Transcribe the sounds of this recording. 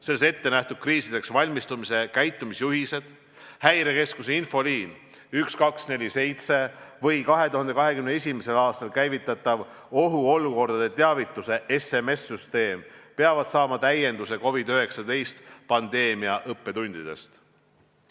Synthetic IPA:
selːese̞t̪ːe̞næht̪ud̪̥̚kriːsid̪̥e̞ksvɑlʲmist̪umise̞kæjt̪ˑːumisjuɦise̞d̪̥ | hæjɾe̞ke̞skuse̞info̞liːn | ykskɑksne̞lʲise̞jt̪se̞vɤ̞jkɑɦe̞t̪uhɑnd̪e̞kɑɦe̞kymnee̞sʲimese̞lɑːst̪ɑlkæjvit̪ːˑɑt̪ːˑɑv | o̞ɦuo̞luko̞rd̪̥ɑd̪e̞t̪eɑvit̪ːˑuse̞ʔeseme̞sːyst̪e̞ːmpeɑvɑd̪̥sɑːmɑt̪æje̞nd̪use̞ko̞vid̪øɦe̞ksɑd̪e̞jst̪pɑnd̪̥e̞ːmiɑʔɤpːe̞t̪unʲd̪̥id̪̥e̞̰st̪

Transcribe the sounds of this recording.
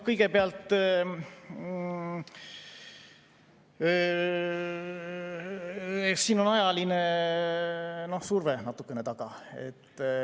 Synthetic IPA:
kɤjɡe̞peɑlt̪ːˑ | esiːno̞nɑjɑline̞ | no̞hsurvenɑt̪ːˑukːˑe̞ne̞t̪ɑɡ̥ɑe̞̰t̪ː

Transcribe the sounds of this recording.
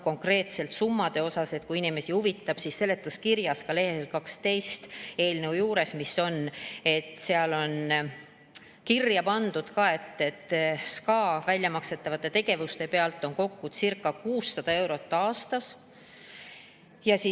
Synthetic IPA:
ko̞ŋkre̞ːt̪se̞lt̪sumːɑd̪̥e̞o̞sɑse̞t̪kuiinime̞sihuvit̪ːˑɑb̥sisːe̞lːe̞t̪ːˑuskirjɑskɑle̞helkɑkst̪e̞jst̪e̞ːlneujuːɾe̞smisːo̞ne̞t̪ːˑseɑlo̞n | kirjɑpɑnd̪̥ud̪̥kɑe̞t̪ːe̞t̪ːskɑːvælʲjɑmɑkse̞t̪ːˑɑvɑt̪ːˑe̞t̪e̞ɡ̥e̞vust̪e̞pe̞ɑlt̪ːˑo̞ŋko̞kːud̪̥sirkːˑɑkuːsːɑd̪̥ɑe̞wɾo̞t̪ˑːɑːst̪ɑs | jɑsi

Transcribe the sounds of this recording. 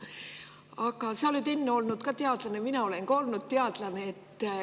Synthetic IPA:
ɑɡɑsɑolid̪e̞nːeo̞lnud̪̥kɑt̪eɑd̪lɑneminɑo̞le̞ŋkɑo̞lnud̪̥̚t̪eɑd̪̥lɑneet̪ː

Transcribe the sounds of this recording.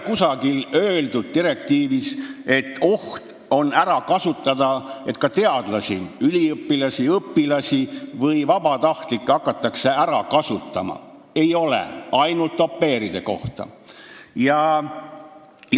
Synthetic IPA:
kusɑɡilø̞ːld̪ud̪̥̚t̪iɾe̞k̚t̪iːvise̞t̪ːo̞ht̪ | o̞næɾɑkɑsut̪ːˑɑd̪̥ɑe̞t̪kɑt̪e̞ɑd̪̥lɑsʲiylʲiɤpːilɑsʲiɤpːilɑsʲivɤjvɑbɑt̪ɑht̪likːˑɑkːˑɑt̪ːˑɑkse̞æɾɑkɑsut̪ːˑɑ̰mɑ̰ | e̞jo̞lḛɑjnult̪ːo̞pːe̞ːɾid̪̥e̞ko̞̰ht̪ɑ̰jɑ

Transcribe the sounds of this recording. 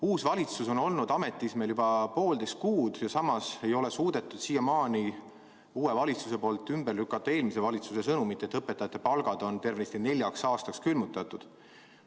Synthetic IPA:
uːsvɑlʲit̪suso̞no̞lnud̪̥ɑmet̪ːˑismeljubɑpo̞ːld̪e̞st̪̚kuːd̪̥jɑsɑmɑse̞jo̞le̞suːd̪̥e̞t̪ːˑud̪̥siːjɑmɑːni | uːe̞vɑlit̪suse̞po̞ːlt̪ːˑymberlykːˑɑt̪ːˑɑe̞ːlmis̬e̞vɑlit̪suse̞sɤnumit̪ːˑet̪ːˑɤpːˑe̞t̪ːˑɑjɑt̪ːˑe̞pɑlɡ̥ɑd̪̥o̞nt̪e̞rvnist̪ine̞lʲjɑksɑːst̪ɑkskylmut̪ːˑɑt̪ːˑud̪̥

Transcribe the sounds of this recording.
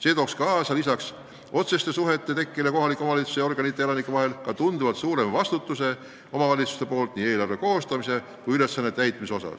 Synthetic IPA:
se̞ːt̪o̞ːkskɑːsɑlisɑks | ʔo̞t̪se̞st̪e̞suɦe̞t̪ːˑe̞t̪e̞kːˑileko̞ɦɑlikːˑo̞mɑvɑlit̪su̥seo̞rɡ̥ɑnit̪ːˑeelɑnikːˑɑvɑɦe̞lkɑt̪und̪uvɑt̪suːɾe̞mvɑst̪ut̪ˑːuse̞ | o̞mɑvɑlʲit̪su̥st̪epo̞ːlt̪ˑniːe̞ːlɑrve̞ko̞ːst̪ɑmise̞ | kujyle̞sːɑnːet̪æjt̪ˑmiso̞sɑ̰s

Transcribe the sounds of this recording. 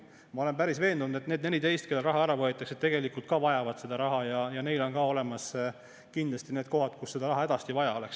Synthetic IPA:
mɑo̞le̞npæɾisve̞ːnd̪unud̪e̞t̪neːd̪nelit̪e̞jst̪ke̞lːelrɑɦɑæɾɑvoet̪ːˑɑkset̪ːe̞ɡ̥e̞likult̪̚kɑvɑjɑvɑd̪̥se̞d̪̥ɑɾɑɦɑjɑjɑne̞jlo̞nkɑːo̞le̞mɑs | kind̪lɑst̪ineːd̪̚ko̞ɦɑd̪̥kusːe̞d̪̥ɑɾɑɦɑe̞d̪ɑst̪ivɑjɑo̞leks

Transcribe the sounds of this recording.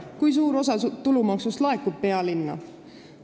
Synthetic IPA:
kujs̬uːɾo̞s̬ɑt̪ulumɑksust̪lɑe̞kːub̚pe̞ɑlinːɑ̰

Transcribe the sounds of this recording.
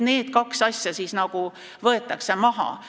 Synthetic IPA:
ne̞ːd̪̥kɑksɑsʲjɑsisnɑɡ̥u | vɤe̞t̪ːˑɑkse̞mɑɦɑ̰

